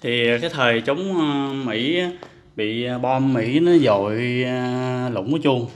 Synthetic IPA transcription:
t̪ʰi˨˩kaː˨˦jt̪ʰəː˨˩jt͡ɕə˨˦wŋ͡mmḭ˧˥a˨˦ | ɓḭ˧˨ɓɔ˧mːḭ˧˥nɔ˨˦zo˨j | lʊ̰˧˨wŋ͡mt͡ɕu˧əŋ

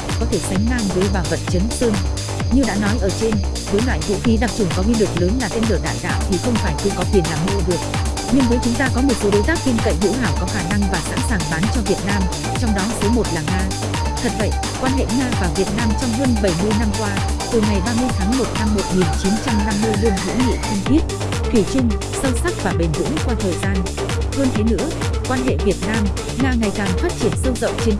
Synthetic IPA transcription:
kɔ˨˦t̪ʰe˧˩sa˨˦jŋ̟maː˧ŋvəː˨˦jɓaː˨˩wvə˨˩t̚t͡ɕə˨˦nsɨ˧n | ɲɨ˧ɗa̰ː˧˥nɔ˨˦jʔəː˧˩t͡ɕe˧n | vəː˨˦jlwa̰ː˧˨jvṵ˧˨xi˨˦ɗa˨˩k̚t͡ɕʊ˧˩ŋkɔ˨˦wi˧lɨ˨˩k̚ləː˨˦nlaː˨˩t̪e˧nlɨ˧˩əɗaː˧˩jɗa̰ː˧˨wt̪ʰi˨˩xə˧wŋ͡mfaː˧˩jkɨ̰˧˥ŋkɔ˨˦kwi˨˩ənlaː˨˩mhḭ˧˥wɗɨ˨˩ək̚ | ɲɨ˧ŋvə˨˦jt͡ɕʊ˨˦ŋ͡mt̪aː˧kɔ˨˦mo˨˩t̚so˨˦ɗo˨˦jt̪aː˦˥k̚k̪i˧nkə̰˧˨jɦḭ˧˥wɦaː˧˩wkɔ˨˦xaː˧˩na˧ŋvaː˨˩sa̰ː˧˥nsaː˨˩ŋɓaː˨˦nt͡ɕɔ˧vi˨˩ət̚naː˧m | t͡ɕɔ˧wŋ͡mɗɔ˨˦t̪ʰəː˨˦jmo˨˩t̚laː˨˩ŋaː˧ | t̪ʰə˨˩t̚və̰˧˨jʔ | kwaː˧nɦḛ˧˨ŋaː˧vaː˨˩vi˨˩ət̚naː˧mt͡ɕɔ˧wŋ͡mɦəː˧nɓə˧˩jmɨ˧əjna˧mkwaː˧t̪ɨ˨˩ŋa˨˩jɓaː˧mɨ˧əjt̪ʰaː˨˦ŋmo˨˩t̚na˧mːo˨˩t̚ŋi˨˩nt͡ɕi˨˦nt͡ɕa˧mna˧mːɨ˧jlu˧ənɦɨ̰˧˥ŋḭ˧˨ki˧ŋt̪i˦˥ət̚ | t̪ʰwi˧˩t͡ɕʊ˧ŋ | sə˧wsa˦˥k̚vaː˨˩ɓi˨˩ŋ̟zɨ̰˧˥ŋkwaː˧t̪ʰəː˨˩jzaː˧n | hə˧nt̪ʰe˨˦nɨ̰˧˥əkwaː˧nɦḛ˧˨vi˨˩ət̚naː˧m | ŋaː˧ŋa˨˩jkaː˨˩ŋfaː˦˥t̚t͡ɕi˧˩ənsə˧wzə̰˧˨wŋ͡mt͡ɕe˧n

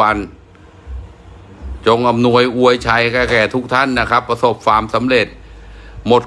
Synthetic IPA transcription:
a˧n | t͡ɕo˧ŋʔa˧mnu˧əjʔu˧əjt͡ɕʰa˧jkɛː˧˩kɛː˨˩t̪ʰu˦˥k̚t̪ʰa˦˥˩nːa˦˥˩kʰa˦˥pːɾa˧so˨˩p̚faː˧msa˩˦mɾe˨˩t̪̚mo˨˩t̪̚

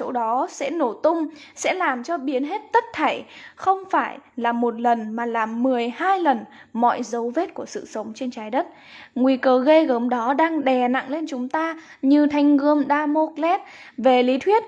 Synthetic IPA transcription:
t͡ɕo̰˧˦˥ɗɔ˨˦sɛ̰˧˥no˧˩t̪ʊ˧ŋ͡msɛ̰˧˥laː˨˩mt͡ɕɔ˧ɓi˨˦ənɦe˦˥t̚t̪ə˦˥t̚t̪ʰə˧˩jxə˧wŋ͡mfaː˧˩jlaː˨˩mo˨˩t̚lə˨˩nmaː˨˩laː˨˩mːɨ˨˩əjhaː˧jlə˨˩n | mɔ̰˧˨jzə˨˦wve˦˥t̚ku˧˩əsɨ̰˧˨sə˨˦wŋ͡mt͡ɕe˧nt͡ɕaː˨˦jɗə˦˥t̚ | ŋwi˧kəː˧ɣe˧ɣəː˨˦mɗɔ˨˦ɗaː˧ŋɗɛ˨˩na̰˧˨ŋle˧nt͡ɕʊ˨˦ŋ͡mt̪aː˧ | ɲɨ˧t̪ʰa˨˧˩jŋ̟ɣɨ˧əmɗaː˧mo˦˥k̚lɛ˦˥t̚ | ve˨˩li˨˦t̪ʰwi˦˥ət̚

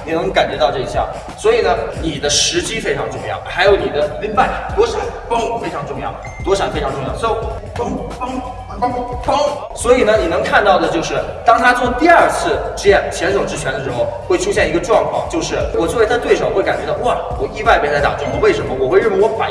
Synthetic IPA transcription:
ni˨˩nə˧˥ŋka˨˩nt͡ɕɥɛ˧˥t̪ɑ˥˧ʊʈ͡ʂɤ˥˧˩i˧˩ɕja̰˥˩ | swɔ˧˥i˨˩nə˦ni˨˩d̪ə˦ʂɻ̩˧˥t͡ɕi˥fe˥ɪʈ͡ʂʰɑ˧˥ŋʈ͡ʂʊ˥˧ŋjɑ̰˥˩ʊxa˧˥ɪjo˧˥ʊni˨˩d̪ə˦li˥pa˥˩ɪ˩t̪wɔ˥ʂa˨˥˦nfo˥˨˩fe˥ɪʈ͡ʂʰɑ˧˥ŋʈ͡ʂʊ˥˧ŋjɑ̰˥˩ʊ | t̪wɔ˧˥ʂa˨˥˩nfe˥ɪʈ͡ʂʰɑ˧˥ŋʈ͡ʂʊ˥˧jɑ˥˧˩ɔ˥˩ | fŋfŋ˥ | fo˥ŋ | swɔ˧˥i˨˩nə˦ni˨˩nɤ˧˥ŋkʰa˥˧nt̪ɑ˥˩ʊd̪ə˩t͡ɕjo˥˧ʊʂɻ̩˥˩t̪ɑ˥ŋt̪ʰa˥t͡sʰʊ˧˥ŋt̪i˥˧ɐ˞˥˧t͡sʰɹ̩˥˩ʈ͡ʂɻ̩˥jɛ˥˩nt͡ɕʰjɛ˧˥nʂ̬o˨˩ʈ͡ʂɻ̩˥t͡ɕʰɛ˧˥nd̪ə˧˩ʂɻ̩˧˥xo˥˧ʊxwe˥˩ɪʈ͡ʂʰu˥ɕjɛ˥˩ni˧˥ɡə˧ʈ͡ʂwɑ˥˧ŋkʰwɑ̰˥˩ŋt͡ɕjo˥˧ʊʂɻ̩˥˩wɔ˨˩t͡swo˥˩wɪa˥t̪we˥˩ʂɑ˨˩ʊxe˥˩ɪka˨˩nt͡ɕɥɛ˧˥t̪ɑ˥˩wɔ˥˩ | wɔ˨˩i˥˧wa˥˧ɪpe˥˧t͡sa˥˩ɪt̪a̰˨˩ʊ˥ŋxwɔ˥we˥˩ɪʂə˧˥nmə˧wɔ˨˩xwe˥˧ɪɻə˥˧we˥˩nwɔ˧˥fa̰˨˩

